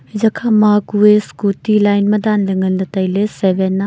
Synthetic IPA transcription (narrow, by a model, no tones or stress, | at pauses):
zɐkʰamakueskutilajnmɐd̪anleŋɡɐndɐtɐjlesebenːa